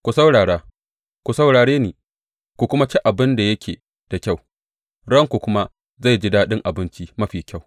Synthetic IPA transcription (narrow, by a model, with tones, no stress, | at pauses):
kʷu˨sa˦wɽaː˨ɽaː˦ | kʷu˨sa˨wɽaː˨ɽeː˦niː˨ | kʷu˨kʷʊ˦ma˦t͡ʃi˦ʔa˨bɪ˦nda˨jɐ˦kʲʰeː˨ | d̥a˨kʲa˦˨w | ɽɐ˦˨ŋkʷu˨kʷʊ˦ma˦ | za˦˨jd͡ʒɪ˦daː˦ɗɪ˦ŋʔa˨bɪ˦nt͡ʃi˦mɐ˦ɸiː˨kʲa˦˨w